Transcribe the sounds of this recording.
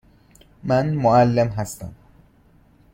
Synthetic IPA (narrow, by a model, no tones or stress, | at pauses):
mænmoælːemɦæst̪æ̰m